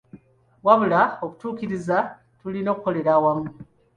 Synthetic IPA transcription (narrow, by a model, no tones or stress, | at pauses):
waβulaokutuːkiɾiza | tulino̞ːkuko̞le̞ɾawamu